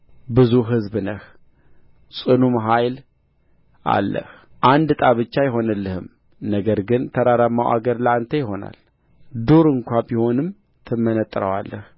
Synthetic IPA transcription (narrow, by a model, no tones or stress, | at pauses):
bɨzuɦɨzbɨnəh | sʼɨnumɦajl | ʔa̰lːə̰h | ʔand̪t̪ʼaβɨt͡ʃːajɪɦo̞nəlːəhɨm | nəɡəɾɡɨnt̪ʰəɾaɾamːawʔa̰ɡəɾləant̪ʰəjɪɦo̞na̰l | d̪oɾɨŋkʷabiho̞nɨm | t̪ʰɨmːənət̪ʼːɾəwalːəh